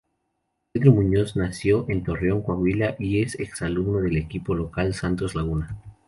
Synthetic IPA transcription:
peðɾomũɲo̞znasjo̞ʔe̞nt̪o̞reoŋkwaɣwilaʔie̞seksaluβnoð̞e̞le̞kipo̞lo̞kalsant̪ozlaɣuna

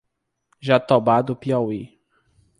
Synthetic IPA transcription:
ʒat̪obad̪ʊpiɔwi

